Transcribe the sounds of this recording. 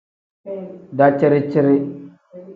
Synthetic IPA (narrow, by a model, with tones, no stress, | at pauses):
da˦t͡ʃe˦ɾi˦t͡ʃi˦ɾe˦